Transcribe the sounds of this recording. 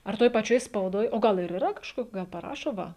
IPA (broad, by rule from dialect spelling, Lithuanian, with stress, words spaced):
ɐr ˈtoːj pɐˈt͡ʃʲoːj spɐʊˈdoːj oː ˈɡɐlˠ ɪr iːˈrɐ kɐʃˈkoːk ˈɡɐlˠ pɐˈrɑːʃoː ˈʋɐ